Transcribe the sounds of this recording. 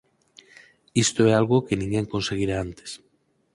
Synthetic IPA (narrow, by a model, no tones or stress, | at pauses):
ist̪oɛalɣokenĩŋɡeŋkonseɣ̞iɾaant̪e̥s